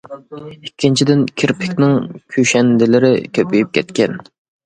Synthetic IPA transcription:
ikʲːint͡ʃʰid̪ɪnkʲʰɪɾpʰɪkʲnɪŋkʲʰyʃɛnd̪ɪlɪɾɪkʲʰøpyjyp̚kʲʰɛt̪kʲɛn

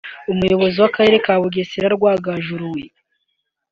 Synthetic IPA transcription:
umujo̞βo̞ziwakaɾe̞ɾe̞kaːβuɡesiɾaɾɡwaːɡaʒuɾuwe

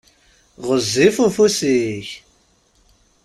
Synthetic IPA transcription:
ʁəzːifufusiç

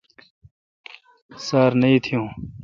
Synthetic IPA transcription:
saːɾnɐĩt̪ʰijũː

